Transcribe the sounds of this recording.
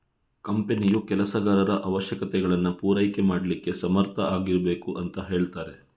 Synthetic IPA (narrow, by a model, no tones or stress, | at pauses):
kɐmpenijukɛlɐsɐɡaːɾɐɾɐʔɐʋɐʃjɐkɐt̪ɛɡɐɭɐnːupuːɾɐjkemaːɽɐlikːe̞sɐmɐɾt̪ʰɐaːɡiɾɐbe̞ːkuʔɐnt̪ɐɦe̞ːɭt̪aːɾe̞